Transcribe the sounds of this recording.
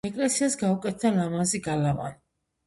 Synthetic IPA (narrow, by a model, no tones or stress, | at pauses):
ɛkʼlɛsiasɡaukʼɛt̪ʰalamaziɡalama̰n